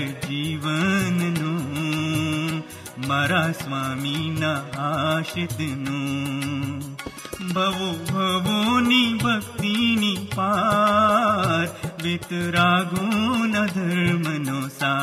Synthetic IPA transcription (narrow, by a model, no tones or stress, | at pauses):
d͡ʒiːʋɐnnu | mɐɾasʋaːminaɦaʃit̪nu | bʱɐʋobʱɐʋonibʱɐk̚t̪inipa | ɾʋit̪ɾaːɡunɐd̪ʱɐɾmɐnosaː